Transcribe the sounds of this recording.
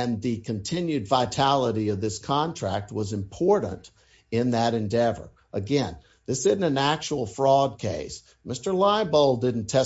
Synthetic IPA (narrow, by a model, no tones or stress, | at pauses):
ɨ̃nðɨkʰɨ̃ntʰɪ̃njʉdvaɪtʰælˠəɾiʌvðɪskʰɑ̃ntʰɹ̥æk̚t̚wʌzɨ̃mpʰɔɹʔn̩t | ɪ̃nðɨɾɨ̃ndɛvə̰˞ | ʔɨɡɛ̃n | ðɪsɪdⁿn̩ɨ̃næk̚t͡ʃul̩ˠfɹɔd̚kʰeɪs | mɪstə˞laɪboʊlˠdɪdⁿn̩tʰɛ